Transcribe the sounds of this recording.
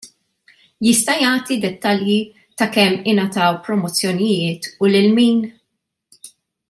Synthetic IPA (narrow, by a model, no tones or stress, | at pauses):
jɪst̪ɐjɐːt̪id̪ɛt̪ːɐlji | t̪ɐkɛmːɪnɐt̪ɐwpɾɔmɔt͡sːjɔnɪjɪːt̪ulɪlmiːn